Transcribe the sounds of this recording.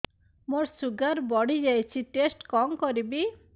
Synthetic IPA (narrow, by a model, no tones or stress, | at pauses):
moɾsuɡaɾbɔɽid͡ʒajt͡ʃʰiʈesʈkɔŋkɔɾibi